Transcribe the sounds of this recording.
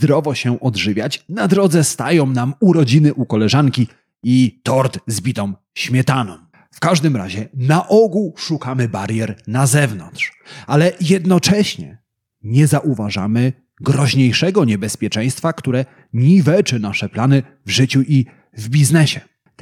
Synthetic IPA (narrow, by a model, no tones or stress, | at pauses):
zd̪ɾɔvɔɕɛʔɔd̪ʐɘvʲjat͡ɕnad̪ɾɔd̪zɛst̪ajɔ̃w̃namuɾɔd͡ʑinɘʔukɔlɛʐaŋkʲi | it̪ɔɾt̪zbʲit̪ɔ̃m | ɕmʲjɛt̪anɔ̃m | fkaʐd̪ɘmɾa̰ʑɛnaʔɔɡuʂukamɘbaɾjɛɾnazɛvnɔnt̪ʂalɛjɛd̪nɔt͡ʂɛɕɲɛ̰ | ɲɛzaʔuvaʐa̰mɘ | ɡɾɔʑɲejʂɛɡɔɲɛbɛspʲjɛt͡ʂɛ̃j̃st̪fakt̪uɾɛ | ɲivɛt͡ʂɘnaʂɛplanɘ | vʐɘt͡ɕuʔi | vbʲiznɛɕɛ